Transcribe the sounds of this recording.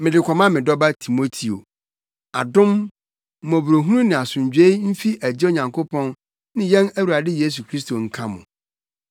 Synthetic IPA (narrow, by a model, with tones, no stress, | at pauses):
mɪ̃˨dɪ˨kʰʷɔ˨mã˦mɪ̃˨dɔ˦ba˦tʰi˨mo˦tʰi˨o̰˨ | a˨dʊ̃˦m̩˦˨ | mɔ̃˨bu˨ɾo˨ɦũ˦ũ˦nɪ̃˨a˨sʊ̃˨ɲd͡ʑᶣe˦m̩˦fi˦ʔæ˨d͡ʑɪ˦o˦ɲã˨ŋkʰo˦pʰɔ̃˦n | nɪ̃˦jɛ̃˦næ˦wu˨ɾa˨dɪ˦je˦s̬u˨kʰɾi˦s̬to˨ŋ̩˦˨kʰã˦mʊ̰̃˨